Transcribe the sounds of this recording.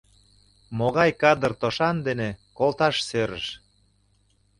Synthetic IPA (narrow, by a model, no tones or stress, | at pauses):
moɣɑjkɑd̪ərt̪oʃɑnd̪enekolt̪ɑʃsøɾə̰ʃ